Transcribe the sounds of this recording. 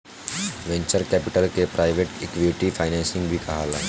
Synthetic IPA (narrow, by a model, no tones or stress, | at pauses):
ʋẽɲt͡ɕəɾkæpiʈəlkepɾʔajʋeʈekʋiʈifajnɛ̃nsĩŋɡbʱiːkəɦala